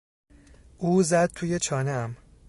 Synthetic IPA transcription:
ʔuːzæd̪̥̚t̪ʰuːje̞t͡ʃʰɒːneæm

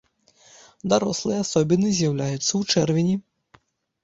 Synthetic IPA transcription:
d̪aɾɔslˠɨjɛasɔbʲinːɨzʲjawlʲajut̪sːɐwt͡ʂɛrvʲinʲi

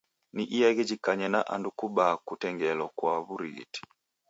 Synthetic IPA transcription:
niʔijaɣɛd͡ʒikaɲɛnaʔa̰ndukuɓakutɛŋɡɛlɔkwaβuɾḭti̥

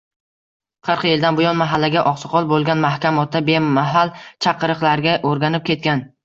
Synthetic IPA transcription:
qʰɨɾqʰɨjeld̪anbʊjɒnmaɦalːaɡʲaʔɒqsɨ̥qʰɒlˠbolˠɡʲanmahkʲamɒt̪̚ʰːabe̞aɦalt͡ʃʰɑqʰɨɾɨqlˠaɾɡʲaʔoɾɡʲanɪp̚kʲʰe̞t̪̚kʲan

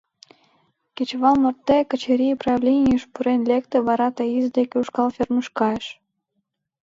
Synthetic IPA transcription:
kʲet͡ɕβɑlˠmərt̪ːekə̆t͡ɕeɾʲijprɑvlʲenʲijəʃpuɾenlʲekt̪eβɑɾɑt̪ɑizd̪ekʲeuʃkɑlˠfʲerməʃkɑeʃ

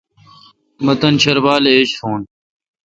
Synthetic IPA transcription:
mɐt̪ɐnt͡ɕʰɐɾbaːleeɕt̪ʰoːn

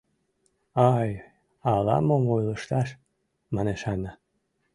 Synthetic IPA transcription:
ɑj | ɑlɑ̰momojləʃt̪ɑʃ | mɑneʃɑnə

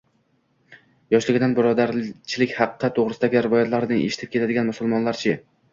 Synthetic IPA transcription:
jɒʃlɪɡʲɪd̪anbɪɾɒd̪aɾt͡ʃʰɪlɪkʲhɑqʰɨqʰːɑt̪ːʰoʁɾɪsɪd̪aɡʲɪɾɪvɒjat̪laɾnɪḛʃɪ̥t̪ʰɪp̚kʲe̞t̪ʰad̪ɪɡʲanmʊsʊlˠmɒnlaɾt͡ʃʰɪ

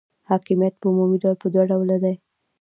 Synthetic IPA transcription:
hɑkimijat̪̚pəumumidalpəd̪waɖawlad̪aj

